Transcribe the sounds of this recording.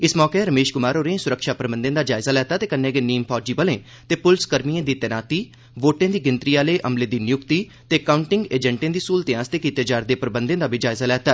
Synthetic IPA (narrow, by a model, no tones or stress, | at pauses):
ɪsmɔːkeɾəmeːʃkʊmaːɾoːɾẽsʊɾəkʃaːpɾəbə̃nd̪ẽːd̪aːd͡ʒaːɪzaːlɛːt̪aːt̪eːkənːẽːɡeːniːmpʰɔːd͡ʒiːbəlẽː | t̪eːpʊlskəɾmiẽːd̪iːt̪ɛnaːt̪iː | ʋoːʈẽːd̪iːɡɪnt̪ɾiːaːleːʔəmleːd̪iːnɪjʊkt̪iː | t̪eːkaːʊɳʈɪŋɡeːd͡ʒɛ̃ɳʈẽːd̪iːsuːlt̪ẽãːst̪eːkiːt̪eːd͡ʒaːɾd̪eːpɾəbənd̪ẽːd̪aːbʱid͡ʒaːɪzaːlɛːt̪aː